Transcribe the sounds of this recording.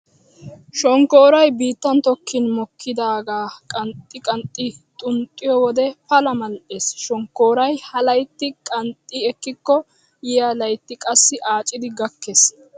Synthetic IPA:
ʃɔŋkoːɾɐjbiːt̪ːɐnt̪ɔkʰːɪnmɔkʰːɪd̪aːɡaːkʼɐnt̪ʼːɪkʼɐnt̪ʼːɪt̪ʼʊnt̪ʼːɪjɔwɔd̪ɛpɐlɐmɐlʔeːsʃɔŋkːoːɾɐjhɐlɐjt̪ːɪkʼɐnt̪ʼːɪɛkːɪkːɔ | jɪjɐlɐjt̪ːɪkʼɐsːɪʔaːt͡ʃʼɪd̪ɪɡɐkːes

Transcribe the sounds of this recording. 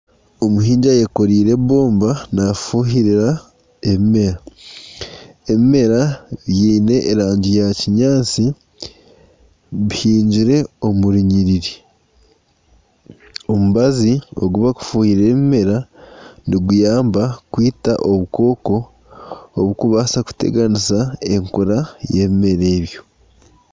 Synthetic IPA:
o̞muɦiːɲɟaje̞ko̞ɾiːɾe̞βo̞ːmbanafuɦiɾiɾa | e̞βime̞ɾa | e̞mime̞ɾajiːne̞ʔːɾaːɲɟijaciɲaːt͡si | βihiːɲɟiɾe̞o̞muɾiɲiɾiɾi | o̞muβazio̞̰ɡuβaku̥fuːhiɾe̞ːβime̞ɾaniɡujaːmbakwiːtaʔo̞βuko̞ːko̞ː | βukuβasaku̥te̞̰ɡanisae̞ŋkoɾaje̞ːβime̞ɾe̞ːβjo̞

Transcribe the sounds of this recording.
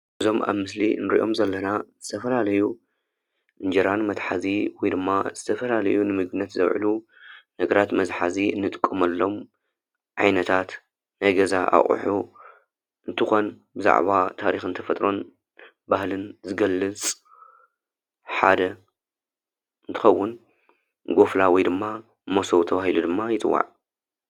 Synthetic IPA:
ʔɨzo̞mʔa̰βmɨslḭnɨɾḭʔo̞mzɐlːɐnazɨt̪ʰɐfɐlalɐju | ʔɨnd͡ʒɐɾanmɐt̪ħaziwɔjd̪ɨmːaz̥ɨt̪ʰɐfɐlalɐ̰junɨmɨɡɨnːɐt̪zɐwʕ̰lu | nɐɡɐɾat̪mɐzħaziɨnːɨt̪ʼɨ̥kʼːɐmɐlːo̞m | ʕa̰jnɐt̪ʰat̪ | najɡɐzaʔa̰χʼħu | ʔɨnt̪ʰɨxo̞n | bɨza̰ʕβat̪ʰaɾixɨnt̪ʰɐfɐt̪ʼɾo̞n | bahlɨnzɨɡɐlːɨt͡sʼ | ħad̪ɐ | ɨnt̪ʰɨ̥xɐwːʊn | ɡo̞flawɔjd̪ɨmːa | mosowt̪ʰɐβahilud̪ɨmːajɪt͡s̪ʼɨwːa̰ʕ

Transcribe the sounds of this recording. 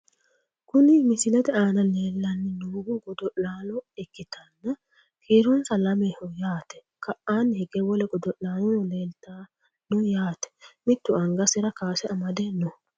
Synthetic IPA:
kʊnɪmɪsɪlɛt̪ɛaːnɐle̞ːlːɐnːɛnuːɡʊɡɔd̪ɔʔlaːnɔɛkːɪt̪ɐnːɐ | kʰiːɾɔnsɐlɐmehɔjaːt̪ɛ̥ | kʰɐʔaːnhɛɡɛwɔlɛɡɔd̪ɔʔlaːnɔleːlt̪aː | nʊjaːt̪ɛ̥mɪt̪ːʊɐŋɡɐsɪɾɐkaːsɛɐmɐd̪ɛnːɔ

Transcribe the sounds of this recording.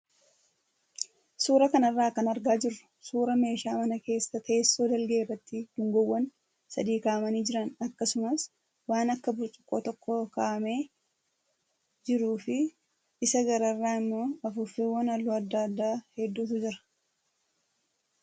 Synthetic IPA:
suːɾɐkɐnɐrːaːkːɐnɐɾɡaːd͡ʒɪrːʊ̥suːɾɐme̞ːʃaːmɐnɐke̞ːsːɐt̪ʰɐesːo̞ːd̪ɐlɡerɐt̪ːɪd̪̥ʊŋɡɔwːɐn | sɐd̪iːkaːɐmɐniːd͡ʒɪɾɐnɐkːɐsʊmɐs | waːnɐkːɐbʊɾt͡ʃʼʊ̥kʼːoːt̪ɔkːoːkaʔɐme̞ː | d͡ʒɪɾuːfɪ | ɪsɐɡɐɾɐrːaːɪmːo̞ːɐfʊfeːwːɐnɐlːuɐd̪ːɐd̪ːaːhɛd̪ːuːt̪ʊd͡ʒɪɾɐ̥

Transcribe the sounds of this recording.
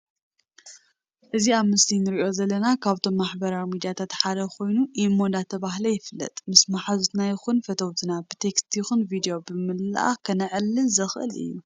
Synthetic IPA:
ʔɨziaβmɨslinɨɾiʔo̞zɐlːɐnakʰaβt̪ʰo̞mːaħbɐɾaɾmid͡ʒat̪ʰat̪ħad̪ɐkʰo̞jnuʔimːod̪at̪ʰɐβaɦlɐjɪfɨlːɐ̰t̪ʼmɨsmaħazut̪najɪxunfɐt̪ʰɐwt̪ʰɨnabɨt̪ʰekst̪ʰixɨnvid̪ijo̞bɨmɨlʔa̰kʰɐnɨʕɨlːɨnzɨxʔɨ̰lɨ̰jːu

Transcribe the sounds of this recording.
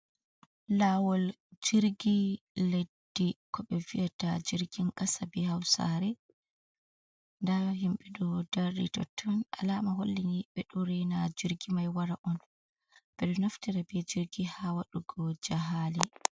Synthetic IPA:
lawɔld͡ʒiɾɡiledːikʰɔɓɛvijatad͡ʒiɾɡinkasabihawsa̰ɾɛ | ndahimɓɛɗɔdaɾdḭtɔ̰tʰːɔnʔalaːmaɦolːiniɓɛɗuɾɛnad͡ʒiɾɡimajwaɾaʔɔn | b̥ɛɗɔnaftiɾabɛd͡ʒiɾɡihawaɗuɡɔd͡ʒaɦali

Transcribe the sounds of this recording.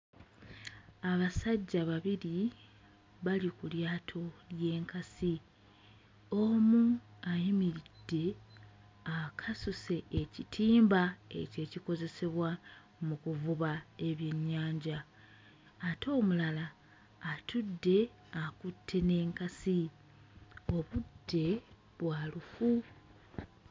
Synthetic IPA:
aβasaɟːaβaβiɾi | βalikuljaːtʰo̞lje̞ːŋkasi | o̞muajimiɾid̥ːe̞ | akʰasuse̞ʔecitʰiːmbae̞̰ce̞ciko̞ze̞se̞βwa | mukuvuβae̞βje̞ɲːaːɲɟaː | tʰo̞ːmulalaː | tʰudːe̞ | akutʰːe̞ne̞ːŋkasi | o̞βudːe̞ | βwaːlufu

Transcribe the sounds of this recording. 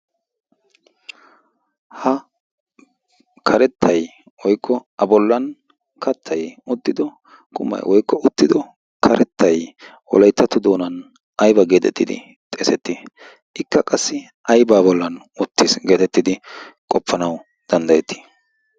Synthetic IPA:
hɐ | kʰɐɾɛt̪ːɐj | wɔjkʰːɔʔɐbɔlːɐn | kɐt̪ʰːɐjʊd̪ːɪd̪ɔ | kʼʊmːɐ̰jwɔjkːɔʊt̪ːɪd̪ɔ | kʰɐɾɛt̪ʰːɐj | wɔ̰lɐjt̪ːɐt̪ʊd̪o̞ːnɐn | ʔɐjbɐɡe̞ːt̪ɛ̰t̪ːɪd̪ɪ̰ | t̪ʼeːsɛt̪ːɪ | ʔɪkːɐkʼɐsːɪ | ʔɐjbaːbɔlːɐn | ʊt̪ːɪsɡe̞ːt̪ɛt̪ːɪd̪ɪkʼɔpːɐnɐw | d̪̥ɐnd̪ɐjɛt̪ːi̥

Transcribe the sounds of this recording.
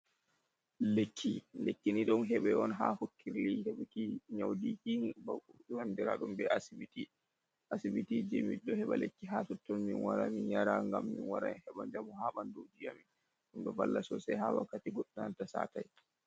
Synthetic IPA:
lekʰːilekːiniɗɔnɦɛɓɛɔnɦahukʰːiɾlihɛɓkiɲawdikibawandiɾa̰ɗumbɛʔasibiti | ʔasibitid͡ʒimidɔhɛɓalekːiɦasɔtːɔnminwaɾaminjaɾaŋɡamːinwaɾa̰mhɛɓand͡ʒamɔhaɓandowd͡ʒijamin | ɗumbɛbalːasɔsajɦawa̰kːatiɡɔɗunantasa̰ːtaj

